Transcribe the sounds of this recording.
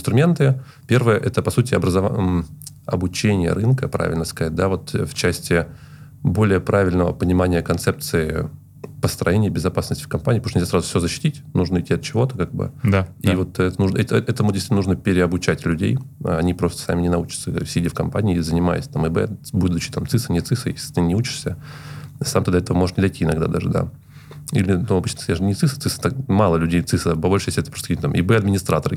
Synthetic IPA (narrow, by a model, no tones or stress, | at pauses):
ɪnst̪ɾʊmʲent̪ɨ | pʲe̞rvəjəʔɛt̪əpɐsutʲɪɐ̰bɾəzɐv | ɐ̰bʊt͡ɕenʲɪjə̰ɾɨnkəpɾa̰vʲɪlʲnəskɐat̚ʲd̪avo̞t̪ft͡ɕæsʲtʲɪ | bo̞lʲɪjəpɾavʲɪlʲnəvə̰pənʲɪmanʲɪjəkɐnt̪sɛp̚t̪sɨɪ | pəst̪ɾɐjenʲɪjbʲɪzɐpasnəsʲtʲɪ̥fkɐmpanʲiːp̪ot̪nʲɪlʲzʲsɾazʊfsʲozəɕːɪ̥tʲitʲnuʐnəɨtʲːiɐt̪̚t͡ɕɪvo̞t̪ə̥kaɡ̚bɨ̰d̪aivo̞t̪ɛt̪ənuʐnəɛt̪ɛt̪əmʊd̪ʲɪsʲitnuʐnəpʲɪɾʲɪɐbʊt͡ɕætʲlʲʉdʲḛj̰ɐnʲipɾo̞st̪ə̥sa̰mʲɪnʲɪnɐut͡ɕɪ̥t̪səsʲɪifkɐmpanʲɪːzənʲɪma̰jɪ̰sʲt̪amɨbɛ̰bud̪ʊt͡ɕɪ̥t̪amt̪sɨsɨnʲɪt̪sɨsɨjḛsʲlʲɪ̥t̪ɨnʲɪut͡ɕɪ̥ʂsʲə | sa̰mt̪ɨd̪ɐɛt̪əvəmo̞ʐɨ̥ʂnʲɪd̪ɐjtʲiɪnɐɡd̪a̰d̪a̰ʐɨd̪a̰ | ḭlʲɪnuɐbɨt͡ɕʲnə̥skɐaʂnʲɪt̪sɨsɨ̥t̪ɨsɨ̥t̪akmalˠəlʲʉdʲejt̪sɨsəpɐbolʲʂɨjesʲɛt̪pɾost̪kit̪amʔɪ̰bɛɐd̪mʲɪnʲɪst̪ɾat̪əɾɨ